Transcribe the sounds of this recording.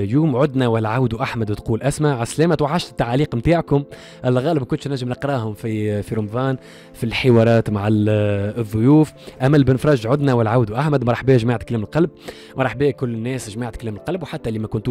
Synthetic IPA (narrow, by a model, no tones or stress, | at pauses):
juːmʕʊd̪næwælʕawd̪uʔaħmæd̪wt̪quːlʔæsmaʕaslɛːmæt̪waʕːaʃt̪ɪ̥t̪ːaʕaliːqmt̪aːʕkʊm | ʔælːɣɑːlɪbkʊnt̪ʃnæʒːɪmnɪqɾˤɑːhʊmfifiɾʊmvɑːn | filħɪwɑːɾˤɑːt̪maʕa | ðˤːʊjuːfʔæmːælbɪnfɾˤɑːʒʕʊd̪næwælʕawd̪uʔaħmæd̪mɑɾˤɑħbɛːʒmaːʕt̪klɛːmɪlqɑlb̚ | mɑɾˤɑħbɛːkʊlːnːɛːsʒmaːʕt̪̚klɛːmɪlqɑlbwħat̪ːælimækʊnt̪u